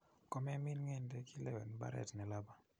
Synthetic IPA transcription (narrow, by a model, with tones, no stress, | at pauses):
kɔ˦mɛ˦mi˦nŋɛ˦˨ndɛ˦ki˦lɛ˦wɛ˨nba̰˦ɾɛ̰˨tnɛ˨la˦ba˦